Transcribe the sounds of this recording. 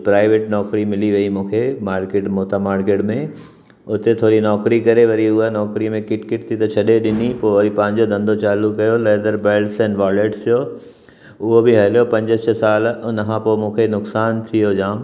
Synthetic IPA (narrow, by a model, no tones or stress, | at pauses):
pɾaːɪʋeːʈnɔːkɾimɪliʋɐimũːkʰemaːɾkeːʈmoːt̪amaːɾkeːʈmẽ | ʊt̪et̪ʰoːɾinɔːkɾikɐɾeʋɐɾiʊɦənɔːkɾimẽkɪʈkɪʈ̚t̪ʰit̪ɐt͡ɕʰɐɗeɗɪnipoːʋɐɾipɐ̃ɦɪ̃ɲd͡ʑod̪ɐ̃nd̪ʱot͡ɕaːlukːɐjoleːd̪əɾbeːlsɛ̃ːnʋaːleːʈsʰijo | ʊɦobɪɦɐlijopɐ̃ɲd͡ʑət͡ɕʰəsaːlʊnkãpoːmũːkʰenʊksaːnt̪ʰijod͡ʑãːm